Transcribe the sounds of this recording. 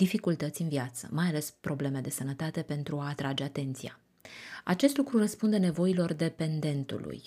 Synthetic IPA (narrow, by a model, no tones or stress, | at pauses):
d̪̥ifikult̪ət̪sʲɨnviat̪sə̰majale̞spɾo̞ble̞me̞d̪e̞sənət̪at̪e̞pe̞nt̪ɾuaːt̪ɾad͡ʒe̞at̪e̞nt̪sija̰ | at͡ʃe̞st̪lukɾurəspund̪e̞ne̞vo̞ilo̞rd̪e̞pe̞nd̪e̞nt̪ṵlṵj